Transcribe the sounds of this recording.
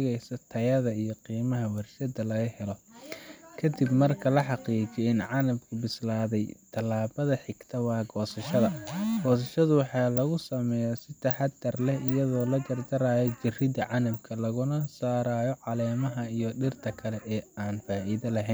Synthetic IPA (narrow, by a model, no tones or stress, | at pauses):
ɣɛjsɐt̪ʰɐjɐðɐijɔqiːmɐɦɐwɐrʃɐd̪ɐlɐɣɐhɛlɔ | kʰɐd̪ɪbmɐrkʰɐlɐħɑqiːd͡ʒɛɪnʕɑlɐmkʰʊbɪslaːðɛjt̪ʰɐlːaːbɐðɐħɪɡt̪ʰɐwɑːɡɔːsɐʃɐðɐɡ̥ɔːs̬ɐʃɐðʊwɑħɑːlɐɣʊsɐmɛjɐsɪt̪ʰɐħɑd̪ɐrlɛhɪjɐðɔːlɐd͡ʒɐrd̪ɐɾaːjɔt͡ʃɪrɪd̪ɐʕɑnɐmkʰɐlɐɣʊnɐsaːɾaːjɔʕɑlɛːmɐɦɐijɔɖɪrt̪ʰɐkʰɐlɛʔɛːaːnfaːʔiðɐlɐɦɛn